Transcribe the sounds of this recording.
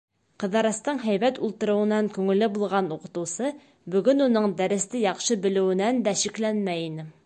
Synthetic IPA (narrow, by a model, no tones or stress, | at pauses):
qɤ̆ðɑɾɑ̆st̪ɤɴɦæjβæt̪ulˠt̪ɤ̆ɾɤ̆wɤ̆nɑŋkʉŋɘ̆lɘbulˠʁɑnuqɤ̆t̪ɤ̆wsɤ | bɵ̆ɡɵnunɤɴd̪æɾɘ̆st̪ɘjɑqʃɤbɘ̆lɘ̆wɘ̆nænd̪æʃiklænmæjinɘ